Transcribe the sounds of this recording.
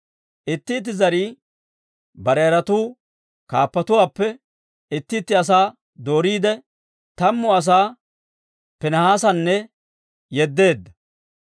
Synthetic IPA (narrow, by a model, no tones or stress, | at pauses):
ʔɪt̪ːiːt̪̬ːɪzɐɾiː | bɐɾɛɐɾɐt̪uː | kaːpːɐt̪ʊwaːpːɛ | ɪt̪ːiːt̪ːɪɐs̬aː | d̪o̞ːɾiːd̪ɛ | t̪ɐmːʊɐs̬aː | pɛnɐhaːsɐnːɛ | jɛd̪ːe̞ːd̪ːɐ